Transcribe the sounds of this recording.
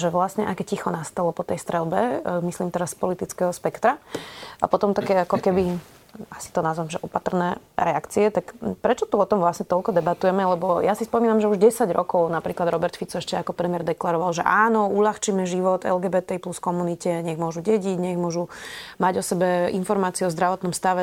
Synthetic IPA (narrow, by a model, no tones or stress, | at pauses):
ʒɛʋlasɲɛʔakɛcixɔnast̪alɔpɔt̪ɛjst̪ɾɛlbɛmisliːmt̪ɛɾasːpɔlit̪it͡skɛɦɔspɛkt̪ɾaʔa̰pɔt̪ɔmt̪akɛːakɔkɛbi | asi̥t̪ɔnazʋamʒɛʔɔpat̪r̩nɛːɾɛakt͡siɛt̪akpɾɛt͡ʃɔt̪uɔt̪ɔmʋlasɲɛt̪ɔlkɔd̪ɛbat̪ujɛmɛlɛbɔjasispɔmiːnamʒɛuʒɟɛsaɟɾɔ̰kɔʊnapɾiːklad̪ɾɔbɛɾt̪fit͡sɔɛʃcɛakɔpɾɛmɪɛɾd̪ɛklaɾɔʋalʒɛʔaːnɔuʎaxt͡ʃimɛʒiʋɔt̪ɛ̰lɡɛːbɛt̪ɛipluskɔmunicɛɲɛɣmʊɔʒuɟɛɟiɟɲɛɣmʊɔʒumaɟɔsɛbɛinfɔɾmaːt͡siuɔzd̪ɾaʋɔt̪nɔmst̪aʋɛ